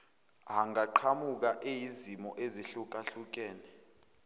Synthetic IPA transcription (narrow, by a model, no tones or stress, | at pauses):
ɦaŋaǃʰamuk̬aʔejizimɔʔeziɬuk̬ʼaɬuk̬ʼɛːnɛ